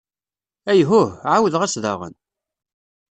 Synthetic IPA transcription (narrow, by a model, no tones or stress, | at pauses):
æjɦʊhʕawəðʁæsðɑ̰ʁə̰n